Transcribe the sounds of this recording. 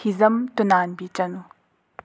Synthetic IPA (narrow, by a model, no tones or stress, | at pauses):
hizɐmt̪unaːnbit͡ʃɐnu